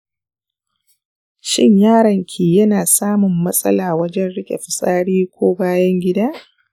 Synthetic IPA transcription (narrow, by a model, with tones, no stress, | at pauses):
ʃɪ˦ɲjaː˦ɾɐ˨ŋkʲʰiː˨jɐ˦naː˨saː˦mʊ˨mːɐ˦sʼɐ̰˦laː˨wɐ˦d͡ʒɛ˦nɽɪ˦kʲʼḛ˨ɸɪ˨sʼaː˦ɽiː˦kʷʰoː˦baː˦jɐ˦ŋɡʲɪ˦daː˦